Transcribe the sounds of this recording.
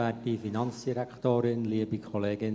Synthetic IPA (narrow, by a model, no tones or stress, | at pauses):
ɛt̚d̥ifinɑnsd̥iɾɛktoːɾɪnliːəbikʰɔleːɡɪn